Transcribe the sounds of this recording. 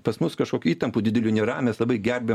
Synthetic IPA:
pɐsmʊskɐʃkoːkʲuːiːt̪ɐmpudʲɪd̪ʲɛlʲunʲɛɾɑːmʲɛslˠɐbɐɪɡʲɛɾʲbʲe

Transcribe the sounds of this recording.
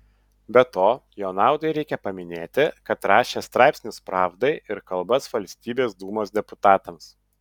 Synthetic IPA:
bʲɛt̪oːjoʊnɑˑʊd̪ɐɪɾʲɛɪkʲɛpɐmʲɪnʲeːt̪ʲɪkɐt̪ɾɑːʃʲeːst̪ɾɑˑɪpʲsʲnʲɪspɾɑːʋd̪ɐɪɪɾkɐlˠbɐsʋɐlʲsʲt̪ʲiːbʲeːsd̪uːmoːsd̪ʲɛpʊt̪ɑːt̪ɐms

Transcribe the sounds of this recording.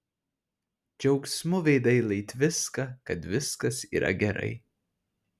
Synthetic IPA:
d͡ʒʲɛʊksʲmʊʋʲɛɪd̪ɐɪlˠɐɪt̪ʲʋʲɪskɐkɐt̪ʋʲɪskɐsḭːɾʔɐ̰ɡʲɛɾɐ̰ɪ

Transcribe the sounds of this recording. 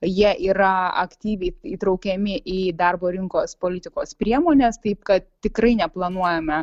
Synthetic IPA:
jiɛʔiːɾɐɐ̰kt̪ʲiːʋʲɛɪiːt̪ɾɐʊkʲɛmʲɪʔiːd̪ɐrboːɾʲɪŋkoːspoːlʲɪt̪ʲɪkoːspʲɾʲiɛmoːnʲeːst̪ɐɪpkɐt̪t̪ʲɪkɾɐɪnʲɛplˠɐnuɔjɛmʲɛ

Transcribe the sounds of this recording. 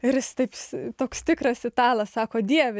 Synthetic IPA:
ɪɾjɪst̪ɐɪpst̪oːkst̪ʲɪkrɐsɪt̪ɑːlˠɐssɑːkoːd̪ʲiɛʋʲɛ

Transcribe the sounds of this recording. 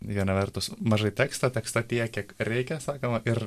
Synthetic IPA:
ʋʲiɛnɐʋʲɛrt̪ʊsmɐʒɐɪt̪ʲæːkst̪ɐt̪ʲɛkst̪ɐt̪ʲiɛkʲiɛkɾʲɛɪkʲɛsɑːkɐmɐʔɪɾ

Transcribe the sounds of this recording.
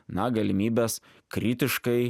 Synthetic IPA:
nɐɡɐlʲɪmʲiːbʲeːs | kɾʲiːt̪ʲɪʃkɐɪ

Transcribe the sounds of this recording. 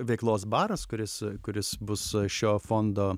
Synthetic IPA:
ʋʲɛɪklˠoːsbɑːɾɐskʊɾʲɪskʊɾʲɪsbʊsʃʲoːfoːnd̪oː

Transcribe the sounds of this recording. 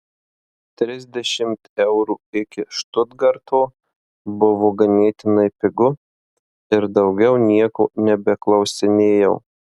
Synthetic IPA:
t̪ʲɾʲɪzʲd̪ʲɛʃʲɪmt̪ɛʊɾuːɪkʲɪʃt̪ʊd̪ɡɐɾt̪ʰoː | bʊʋoːɡɐnʲeːt̪ʲɪnɐɪpʲɪɡʊ | ɪɾd̪ɐʊɡʲɛʊnʲiɛko̰ːnʲɛbʲɛklˠɐʊsʲɪnʲeːjɛʊ

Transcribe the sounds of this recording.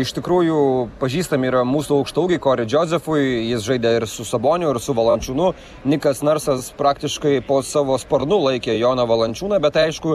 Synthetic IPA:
ɪʃt̪ʲɪkɾuːjupɐʒʲiːst̪ɐmʲiːɾɐmuːsuːɐʊkʃt̪ɐʊɡʲiɪkoːɾʲɪd͡ʒʲoːzʲɛfʊɪjɪsʒɐɪd̪ʲɛɪɾsʊsɐboːnʲʊɪɾsʊʋɐlˠɐnʲt͡ʃʲuːnʊ | nʲɪkɐsnɐɾsɐspɾɑːkt̪ʲɪʃkɐɪpoːsɑːʋoːspɐɾnʊlˠɐɪkʲeːjoːnɐʋɐlˠɐnʲt͡ʃʲuːnɐbʲɛt̪ɐɪʃkʊ

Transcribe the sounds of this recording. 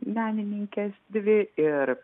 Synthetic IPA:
mʲæːnʲɪnʲiŋʲkʲɛsd̪ʲʋʲɪɪɾ

